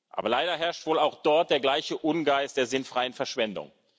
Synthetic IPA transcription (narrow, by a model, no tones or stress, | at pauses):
ʔa̰ːbɐlaɪɾɐɦɛɐʃtv̥oːlaʊxd̥ɔɐt̚d̥eːɐɡlaɪçəʔʊnɡaɪst̚d̥eːɐzɪnfʁ̥aɪənfɛɐʃv̥ɛndʊ̰ŋ